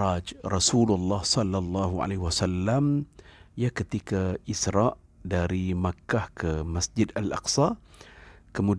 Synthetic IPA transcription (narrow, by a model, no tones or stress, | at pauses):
ad͡ʒrɑsululːɑhsɔlːalˤːɑɦua̰leɦwasalːamjakət̪ikaisɾaʔ | daɾimakahkəmasd͡ʒɪdalʔɑ̰qsɑ | kəmud